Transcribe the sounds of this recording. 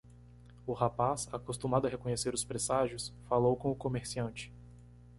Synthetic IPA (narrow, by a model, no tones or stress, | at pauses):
ʊhapasakost̪ũmad̪ʊɐɦekõɲeseɾʊspɾesaʒjʊsfalowkõʊkomeɾsiɐ̃nt͡ʃɪ̥